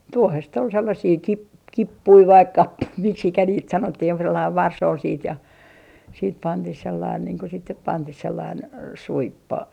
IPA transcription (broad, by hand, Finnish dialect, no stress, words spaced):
tuohest ol selːɑsiː kip kipːui ʋɑik kɑpːui miksikæ niːt sɑnotːih joku selːɑiʋ ʋɑrs ol siːt jɑ siːt pɑntih selːɑin niːŋ ko sit nyp pɑntih selːɑin suipːo